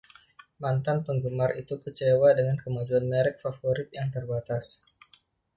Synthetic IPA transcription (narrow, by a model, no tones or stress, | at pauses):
mant̪anpəŋɡumarit̪ukət͡ʃewadəŋankəmad͡ʒuanmeɾɛk̚fafoɾɪt̪̚jaŋt̪ərbat̪as